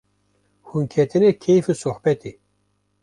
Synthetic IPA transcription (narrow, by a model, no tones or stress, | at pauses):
hunkʰɛt̪ɨnekʰejfusoħbɛt̪i